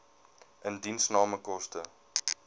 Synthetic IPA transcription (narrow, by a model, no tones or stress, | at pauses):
ʔəndinsnɑːməkɔstə